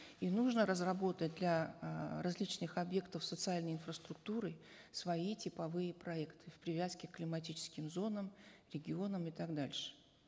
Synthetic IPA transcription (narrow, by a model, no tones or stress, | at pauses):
inuʐnəɾəzrɐbo̞t̪ət̚ʲd̪lʲɐrɐzʲlʲit͡ɕnɨxɐbje̞kt̪əfsət̪sɨalʲnəjɪnfɾəst̪ɾʊk̚t̪uɾɨ | svɐitʲɪpɐvɨjəpɾɐɛkt̪ʰɨ̥fpɾʲɪvʲaskʲɪkːlʲɪmɐtʲit͡ɕɪ̥skʲɪmzo̞nəmɾʲɪɡʲɪo̞nəmɪt̪aɡd̪alʲʂɨ̥